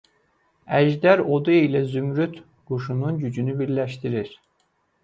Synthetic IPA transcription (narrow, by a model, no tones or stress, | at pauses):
æʒd̪æɾod̪uilæzymɾyt̪ | ɡ̥uʃununɟyd͡ʒynybiɾlæʃt̪iɾiɾ̥